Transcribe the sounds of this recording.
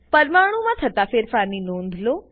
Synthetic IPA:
pɐɾmaːɳ̤̃umãt̪ʰɐt̪afeːɾfaːninõːnd̪ʱloː

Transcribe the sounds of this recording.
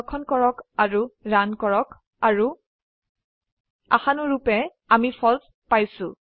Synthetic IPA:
kʰɔnkɔɹɔkaɹuɹankɔɹɔk | aɹu | a̰xanʊɹupɛ | amifʰɔls | pajsʊ̃

